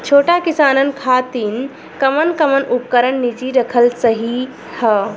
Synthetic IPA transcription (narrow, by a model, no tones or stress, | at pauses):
t͡ʃʰoːʈakisaːnənkʰaːt̪in | kəmənkəmənup̚kəɾənːid͡ʒiɾəkʰəlsəɦi | hə